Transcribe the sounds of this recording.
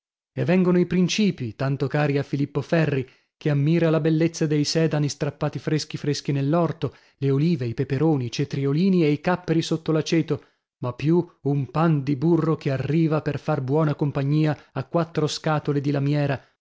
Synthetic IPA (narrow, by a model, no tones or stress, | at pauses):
evːɛŋɡonoipɾint͡ʃiːpit̪ant̪okaːɾiafilipːofɛrːi | keamːiːɾalabelːet̪sːad̪ejsɛːd̪anist̪ɾapːaːt̪ifɾesk̟ifɾesk̟inelːɔrt̪o | leoliːveipepeɾoːnit͡ʃet̪ɾioliːnieikapːeɾisot̪ːolat͡ʃeːt̪o | mapːjuumpand̪iburːokʰearːiːvaperfarbwɔːnakompaɲːiːaːkːwat̪ːɾoskaːt̪oled̪ilamjɛːɾa